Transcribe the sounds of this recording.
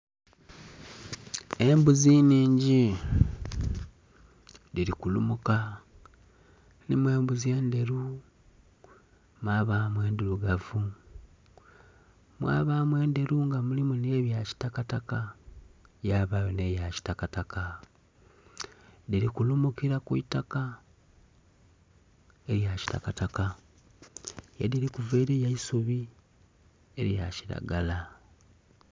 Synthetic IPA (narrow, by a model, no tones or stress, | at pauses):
e̞mbuziniːɲɟi | ðiɾikulumuka | nimwe̞ːmbuzie̞ːnde̞ɾu | mwaːβaːmwe̞ːnduɾuɡavu | mwa̰ːβaːmwe̞ːnde̞ɾuŋɡamulimune̞βjaci̥takataka | jaːβajonejaci̥takatakʰa | diɾikulumukiɾakuitaka | e̞ɾjaci̥ta̰kataka | jadiɾikuveːɾejaisuβi | eɾjaciɾa̰ɡala